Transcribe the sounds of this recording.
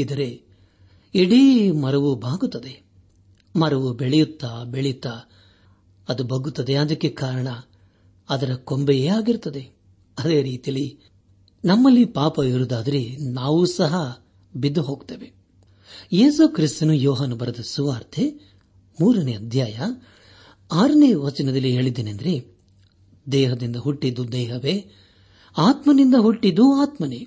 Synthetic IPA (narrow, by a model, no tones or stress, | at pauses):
id̪ɐɾe̞ | iɽimɐɾɐʋubʱaːɡut̪ːɐd̪e | mɐɾɐʋubeɭɛjut̪ːabeɭejut̪ːa | ɐd̪ubɐɡut̪ːɐd̪eɐd̪ɐkːekaːɾɐɳɐ | ɐd̪ɐɾɐko̞mbeeːaːɡiɾt̪ːɐd̪e̞ | ɐd̪e̞ːɾiːt̪ijɐli | nɐmːɐlːipaːpɐiɾud̪aːd̪ɐɾenaːʋusɐɦɐ | bid̪ːuɦo̞ːɡt̪eːʋe̞ | jeːsukɾist̪ɐnujɔːɦaːnɐbɐɾɐd̪ɐsuʋaːɾt̪ʰe | muːɾɐneɐd̪ʱjaːjɐ | aːɾɐneːʋɐt͡ʃɐnɐd̪ɐlːiɦe̞ːɭid̪eːneɐnd̪ɐɾe̞ | d̪ɛːɦɐd̪ind̪ɐɦuʈːid̪ːud̪ɛːɦɐʋe̞ː | aːt̪mɐnind̪ɐɦuʈːid̪ːuaːt̪mɐne